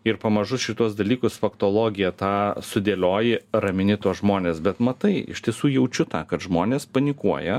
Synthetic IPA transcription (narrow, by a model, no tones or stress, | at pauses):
ɪɾpɐmɐʒʊsʃʲɪt̪uɔsd̪ɐlʲiːkʊsfɐkt̪oːlˠoːɡʲɪjɛt̪ɑːsʊd̪ʲeːlʲoːjɪɾɐmʲɪnʲɪt̪uɔsʒmoːnʲeːsbʲɛt̪mɐt̪ɐɪɪ̰ʃʲt̪ʲiɛsuːjɛʊt͡ʃʲʊt̪ɑːkɐt̪ʒmoːnʲeːspɐnʲɪkuɔjɛ